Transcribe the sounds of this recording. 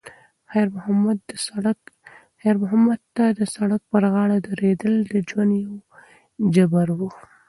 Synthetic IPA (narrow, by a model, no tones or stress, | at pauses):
xaɾmmad̪ | xaɾmʊɦamad̪t̪ad̪əsaɽak̚pəɾɣɑɽad̪aɾed̪əld̪əd͡ʒwand̪jaw | d͡ʒabaɾwu